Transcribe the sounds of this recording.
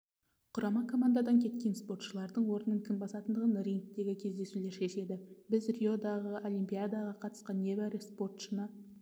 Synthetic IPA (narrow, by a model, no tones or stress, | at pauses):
qʰʊɾʔɑmɑkʰo̞mand̪ad̪ɑŋkʲʰe̞t̪kʲe̞nspo̞rt̪ʃəlˠɑɾd̪əɴwo̞ɾənəŋkʲʰɪmbɑsɑt̪ənd̪əʁənɾiŋk̚t̪e̞ɡʲɪkʲʰe̞zd̪e̞sule̞ɾʃe̞se̞d̪ɪbɪzrʲijo̞d̪ɑʁəʔo̞lʲimpʲijad̪ɑʁɑqʰɑt̪ə̥sqɑnje̞bæɾɪspo̞rt̪ʃənɑ